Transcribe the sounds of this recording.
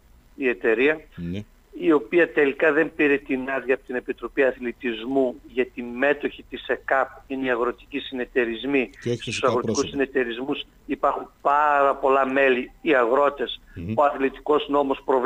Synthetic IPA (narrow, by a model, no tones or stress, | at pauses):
ie̞t̪e̞ɾiɐ | io̞piɐt̪e̞likɐðe̞mpiɾet̪inɐɾðʝjɐːpot̪ine̞pit̪ɾo̞piɐθlit̪izmuʝɐt̪ime̞t̪o̞çit̪isekɐpineiɐɣɾo̞t̪i̥cisine̞t̪e̞ɾizmist̪usɐɣɾot̪kusine̞t̪e̞ɾizmus | ipɐɾxumpɐɾɐpo̞lɐme̞liːɐɣɾo̞t̪e̞so̞ɐθlit̪i̥ko̞sino̞mospɾo̞v